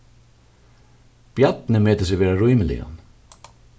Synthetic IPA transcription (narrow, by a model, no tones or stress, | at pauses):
b̥jat̪nɪmɛːt̪əs̬ɪʋɛːɾaɾujmɪlɪ̰a̰n